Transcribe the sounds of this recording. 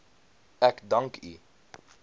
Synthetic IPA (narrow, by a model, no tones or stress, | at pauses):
ɛkdɐŋkʰy̰